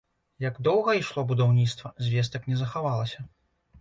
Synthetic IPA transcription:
jɐɡd̪ɔwɣɐiʂlˠɔbud̪awnʲit̪st̪vɐzʲvʲɛs̬t̪ɐknʲɛzɐxavalˠɐsʲɐ

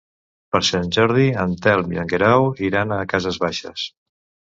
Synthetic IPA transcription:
pəɾsanʲʒɔɾð̞iənt̪ɛlˠmilaŋɡeɾawiɾanəkazəzβaʃə̰s

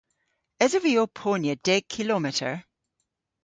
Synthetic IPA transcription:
ɛzəviopʰonjəd̥ɛɡ̚kʰɪlɔmɪtə̰˞

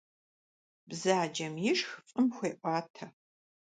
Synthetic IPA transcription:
bzaːd͡ʒɐmjɪʂxfʼɨmxʷeːʔʷʼɑːtʰɐ

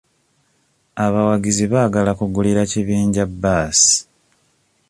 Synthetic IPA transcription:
aβawaɡiziβaːɡalakuɡuliɾaciβiːɲɟabːaːsi̥

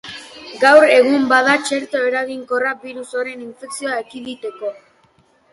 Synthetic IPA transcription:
ɡawre̞ɣ̞umbað̞at͡ʃe̞ɾt̪oe̞ɾaɣiŋko̞rabiɾuso̞ɾe̞niɱfe̞ksio̞aekiðit̪eko̞

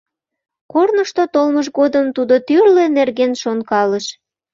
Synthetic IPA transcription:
kornəʃt̪ot̪olməʒɣod̪əmt̪ud̪ot̪yrlenerɣenʃonkɑləʃ

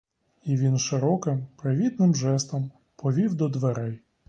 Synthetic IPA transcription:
iʋʲinʃɪɾɔkɪmpɾɪʋʲid̪̚nɪmʒɛst̪ɔm | pɔʋʲiwd̪ɔd̪ʋeɾɛj

